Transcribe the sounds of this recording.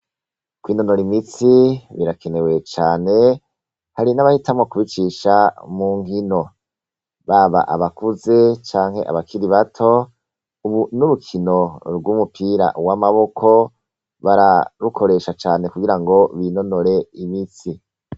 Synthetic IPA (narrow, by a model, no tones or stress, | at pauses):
kwiːno̞noɾimit͡siβiɾakene̞we̞t͡ʃaːne̞ | haɾinaβahitamŋokuβit͡ʃiːʃamuːŋɦino̞ | βaβa̰ʔa̰βakuze̞t͡ʃaːŋhe̞̰ʔa̰βakʰiɾiβatʰo̞ | uβunuɾukʰino̞ɾɡumupʰiɾa̰wamaβo̞kʰo̞ | βaɾaɾukʰo̞ɾe̞ʃat͡ʃaːne̞kuɡiɾaŋɡo̞βino̞no̞ɾe̞imit͡si